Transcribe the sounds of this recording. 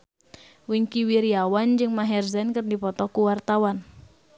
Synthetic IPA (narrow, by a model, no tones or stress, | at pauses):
wiŋkiwiɾiawand͡ʒɨŋmaɦɛrzɛnkɨrdipɔt̪ɔkuwart̪awan